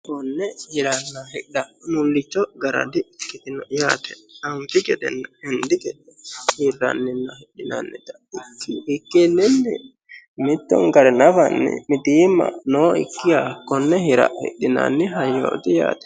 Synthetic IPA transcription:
kɔnːɛhɪɾɐnːɐhɛɐmʊlːɪt͡ʃːɔɡɐɾɐ̰d̪ɪkːɪt̪ɪnɔjaːt̪ɛ̥ɐmfɪkɛd̪ɛ̰nːɐɛnd̪ɪkɛd̪ɛhɪrːɐ̰nːɪnːɐhɛɗɪnɐ̰nːɪt̪ɐ̥ | ɪkːɪɪkːenːɪnːɛ | mɪt̪ːɔ̰ŋɡɐɾɛnɐfɐnːɪ̰mɪt̪iːmːɐ̰noːɪ̰kːɪjakɔnːɛhɪɾɐ̰ʔhɛ̰ɗːɪnɐ̰nːɪɦɐjːo̰ːt̪ɪja̰ːt̪ɛ̥

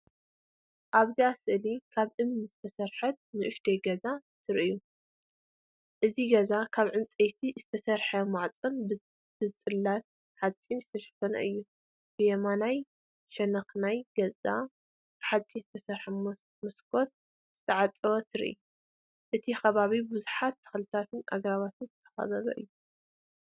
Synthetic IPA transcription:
ʔaβziasɨʔlikʰaβʔɨmnizɨt̪ʰɐsɐɾħɐt̪̚nɨʔʊʃd̪eɡɐzat̪ʰɨɾʔɨju | ʔɨziɡɐzakʰaβʕɨnt͡sʼɐjt̪ʰiz̥ɨt̪ʰɐsɐɾħɐmaʕt͡sʼon | b̥ɨt͡sʼɨlːat̪̚ | ħat͡sʼinzɨt̪ʰɐʃɐ̥t̪ʰɐnɐ̰ʔɨjːu | b̥ɨjɛmanaj | ʃɐnɐxnajɡɐzʼa̰ | ħat͡sʼːizɨt̪ʰɐsɐɾħɐ | mɨskʰo̞t̪̚ | z̥ɨt̪ʰɐʕat͡sʼɐβɐt̪ʰɨɾ̰ʔḭju | ʔɨt̪ʰixɐβaβibɨzuħat̪ːɐ̥xlɨt̪ʰat̪ʰɨnʔa̰ɡɾaβat̪ʰɨnzɨt̪ʰɐ̥xɐ̰βɐβɐ̰ʔɨ̰jːu

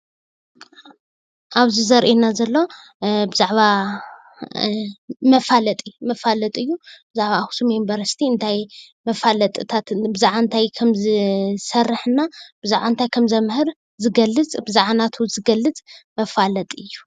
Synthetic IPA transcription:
ʔaβzizɐɾʔenazɐlːo̞ | bɨzaʕβa | mɐfalɐt̪ʼmɐfalɐt̪ʼɨjːub̥ɨzaʕβaxu̥sumembɐɾɐst̪ʰiɨnt̪ʰaj | mɐfalɐt̪ʼɨt̪ʰat̪bɨzaʕant̪ʰajkʰɐmzɨsɐrːɨħɨnab̥ɨzaʕβant̪ʰajkʰɐmzɐmhɨɾ | zɨɡɐlːɨt͡sʼbɨzaʕanat̪ʰuzɨɡɐlːɨt͡sʼmɐfalɐt̪ʼɨjːu

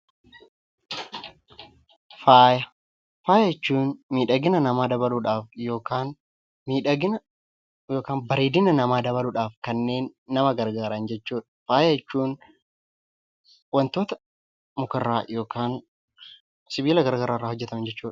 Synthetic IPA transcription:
faːjɐ | faːjɐjɛt͡ʃːuːnmiːᶑɐɡɪnɐnɐmaːd̪ɐbɐluːᶑaːfjo̞ːkaːn | miːᶑɐɡɪn | jo̞ːkaːnbɐɾeːd̪ɪnɐnɐmaːd̪ɐβɐluᶑaːfkɐnːe̞ːnːɐmɐɡɐɾɡaːɾɐnd͡ʒɛt͡ʃːuːᶑɐ̥faːjɐjɛt͡ʃːuːn | wɐnt̪o̞ːt̪ɐ | mʊkɐrːaːjo̞ːkʰaːn | sɪbiːlɐɡɐɾɡaːɾaːrːaːhɔd͡ʒːɛt̪ɐmnd͡ʒɛt͡ʃːuːᶑɐ̥

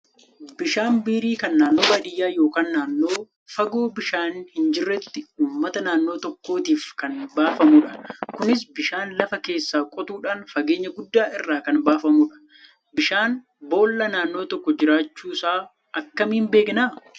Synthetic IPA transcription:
bɪʃaːnbiːɾiːkɐnːaːnːo̞ːbɐᶑɪjːaːjo̞ːkaːnːaːnːo̞ː | fɐɡoːbɪʃaːnhɪnd͡ʒɪrːɛt̪ːɪuːmːɐt̪ɐnaːnːo̞ːt̪ɔkːo̞ːt̪iːfkɐnbaːfɐmuᶑɐkʊnɪs̬bɪʃaːnlɐfɐke̞ːsːaːkʼɔt̪uːᶑaːnfɐɡeːɲːɐɡʊd̪ːaːʔɪrːaːkɐnbaːfɐmuᶑɐ̥ | bɪʃaːn | bo̞ːlːɐnaːnːo̞ːt̪ɔkːɔd͡ʒɪɾaːt͡ʃːuːsaː | ɐkːɐmːɪnbe̞ːknaː

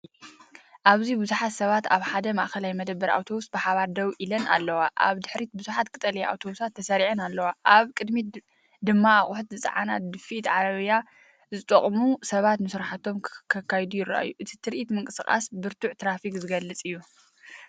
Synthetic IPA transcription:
ʔaβzibɨzuħat̪sɐβat̪aβħad̪ɐmaʔxɐlajmɐd̪ɐbːɐɾa̰wt̪ʰo̞βust̪̚bɨħaβaɾd̪ɐwʔilɐna̰lːɐwaʔa̰βd̪ɨħɾit̪̚bɨzuħat̪̚kʰʼɨt̪ʼɐlɐjaʔa̰wt̪ʰo̞βusat̪ʰːɐsɐɾiʕɨnalːɐwaʔaβkʼɨd̪mi | d̪ɨmːaːχʼuħt̪zɨt͡sʼɐ̰ʕa̰na̰t̪̚d̪ɨfit̪ʕaɾɐβja | zɨt̪ʼɐχʼmusɐβat̪nɨsɨɾaħat̪ʰo̞mkʰɐkʰːajd̪ujɪra̰ʔa̰jːuʔɨt̪ʰi̥t̪ʰɨɾʔit̪mɨŋkʼɨsɨχʼa̰sbɨɾt̪ʰuʕt̪ʰɾafikʼzɨɡɐlːɨt͡sʼɨjːu

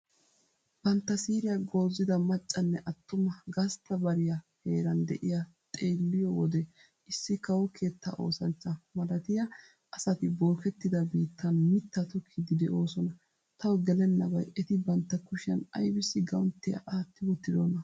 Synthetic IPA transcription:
b̥ɐnt̪ːɐsiːɾɪjɐɡo̞ːzːɪd̪ɐmɐt͡ʃʼːɐnːɛʔɐt̪ːʊmɐɡɐst̪ːɐbɐɾɪjɐhe̞ːɾɐnd̪ɛʔɪjɐt̪ʼe̞ːlːɪjɔwɔd̪ɛ | ʔɪsːɪkɐwɔkʰe̞ːt̪ːɐ̰ʔo̞̰ːsɐnt͡ʃːɐmɐlɐt̪ɪjɐ | ʔɐsɐt̪ɪbo̞ːkɛt̪ːɪd̪ɐbiːt̪ʰːɐnmɪt̪ːɐt̪ʊkʰːɪd̪ɪd̪ɛʔo̞ːsɔnɐ | t̪ʰɐwɔɡɛlɛnːɐbɐjɛt̪ɪbɐnt̪ːɐkʊʃɪɐ̰nɐ̰jbɪsːɪɡɐwʊnt̪ːɪjɐ̰ʔaːt̪ːɪbʊt̪ːɪd̪onɐ

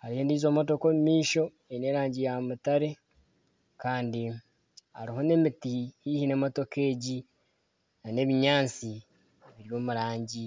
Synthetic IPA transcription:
haɾihendiːzo̞ːmot̬o̞komimiːʃo̞ | ene̞ːɾaːɲɟijamutaɾe̞ | kaːndi | aɾiho̞ne̞mitiihine̞motoke̞ːɟi | nane̞βiɲaːt͡si | βiɾijoːmuɾaːɲɟi

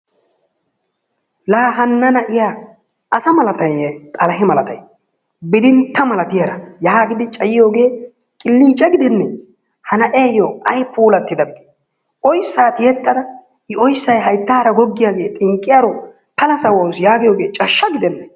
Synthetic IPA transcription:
laːɦɐnːɐnɐʔɪja | ʔɐsɐmɐlɐt̪ɐjet̪ʼɐlɐɦɪmɐlɐt̪ɐj | bɪd̪ɪnt̪ːɐmɐlɐt̪ɪjɐɾɐjaːɡɪd̪ɪt͡ʃʼɐjɪjo̞ːɡe̞ː | kʼɪlːiːt͡ʃʼɛɡɪd̪ɛnːɛ | hɐnɐʔe̞ːjoɐjpuːlɐt̪ːɪd̪ɐbɪd̪i̥ | ʔɔjsːaːt̪ɪjɛt̪ːɐd̪ɐ | ɪɔjsːɐjɦɐjt̪ːaːɾɐɡɔɡːɪjaːɡe̞ːt̪ʼɪŋkʼːɪjaɾɔ | pɐlɐsɐwɐwsjaːɡɪjo̞ːɡe̞ːt͡ʃʼɐʃːɐɡɪd̪ɛnːɛ

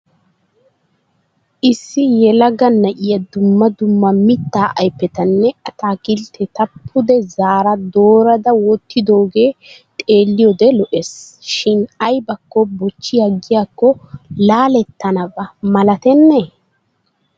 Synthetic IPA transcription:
ʔɪsːɪjɛlɐɡɐnːɐʔɪjɐd̪ʊmːɐd̪ʊmːɐmɪt̪ːaːʔɐjpːɛt̪ɐnːɛɐt̪aːkɪlt̪ʰɛt̪ɐpʰːʊd̪ɛzaːɾɐd̪o̞ːɾɐd̪ɐwɔt̪ːɪd̪o̞ːɡe̞ːt̪ʼeːlːɪjɔd̪ɛlɔʔesʃɪnɐjbɐkːɔbɔt͡ʃːɪjɐɡːɪjaːkːɔlaːlɛt̪ːɐnɐbɐmɐlɐt̪ɛnːe

